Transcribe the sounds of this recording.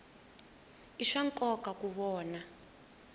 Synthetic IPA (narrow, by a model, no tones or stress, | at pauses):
iʂaŋkʼɔkakuβɔːna